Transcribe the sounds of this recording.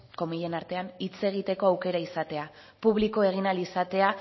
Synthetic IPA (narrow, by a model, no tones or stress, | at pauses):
ko̞miʎe̞naɾt̪e̞anit͡se̞ɣ̞it̪e̞ko̞awke̞ɾaisat̪e̞a | puβliko̞e̞ɣ̞inalisat̪e̞a